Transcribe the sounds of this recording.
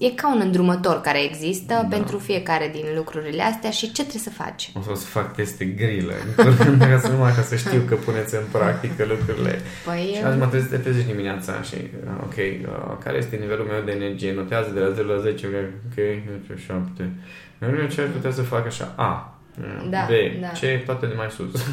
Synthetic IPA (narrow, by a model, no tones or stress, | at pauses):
je̞kaunɨnd̪ɾumət̪o̞rkaɾe̞ːɡzist̪əpe̞nt̪ɾufie̞kaɾe̞d̪inlukɾuɾile̞ast̪eaʃit͡ʃe̞t̪ɾesəfa̰t͡ʃosəposə̥fak̚t̪e̞st̪eɡɾilə̰ɨkənakasənumakasəʃt̪iwkəpune̞t̪sʲɨnpɾak̚t̪ikəlukɾuɾile̞̰ | pəjʃiasmət̪ɾezid̪et̪ɾezet͡ʃʲd̪imineat̪sa̰ʃḭ | ə̰o̰kʰʲe̞jə̰ka̰ɾeje̞st̪e̞nive̞lulme̞wd̪e̞ːnerd͡ʒije̞no̞t̪eazəd̪elaze̞ɾulaze̞t͡ʃeokeokʰʲejnt̪eʃapt̪e | neɾet͡ʃevaʃput̪eawsəfakaʃa̰ʔa̰ | ə̰d̪abe̞d̪t͡ʃet̪oat̪ed̪emajsṵs